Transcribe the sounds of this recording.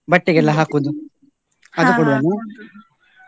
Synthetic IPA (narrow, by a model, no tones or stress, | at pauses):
bɐʈːiɡɛlːɐɦaːkud̪u | ɐd̪ukɔɽuʋɐnu